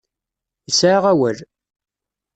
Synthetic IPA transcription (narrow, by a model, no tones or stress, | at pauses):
əsʕaʁæwəl